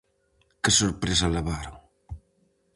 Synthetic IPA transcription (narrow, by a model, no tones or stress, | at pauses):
kɪsoɾpɾes̬alaβaɾoŋ